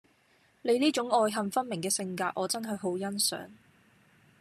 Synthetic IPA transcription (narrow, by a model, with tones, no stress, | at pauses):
le˨˧jliː˥t͡ʃʊ˨˥ŋɔː˧jɦɐ˨mfɐ˥nmɪ˨˩ŋkɛː˧sɪ˧ŋkaː˧t̚ʔɔː˨˧t͡sɐ˥nɦɐ˨jɦo˨˥wjɐ˥nsœ̰ː˨˥ŋ